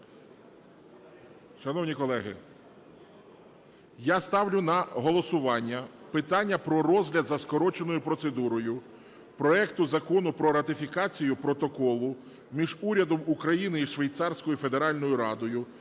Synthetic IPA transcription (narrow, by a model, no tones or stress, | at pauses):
ʃɐnɔwnʲikɔlˠɛɦɪ̰ | jast̪ɑwlʲʊnɐɦɔlˠɔsʊʋɑnʲːɐpɪt̪ɑnʲːɐpɾɔɾɔzʲɦlʲɐd̪zɐskɔɾɔt͡ʃenɔjʊpɾɔt̪se̞d̪uɾɔjʊ | pɾɔɛkt̪ʊzɐkɔnʊpɾɔɾɐt̪ɪfʲikɑt͡sʲijʊpɾɔt̪ɔkɔlˠʊ | mʲiʒuɾʲɐd̪ɔmukɾɐjinɪiʃʋejt̪sɑrsʲkɔjife̞d̪eɾɑlʲnɔjʊɾɑd̪ɔjʊ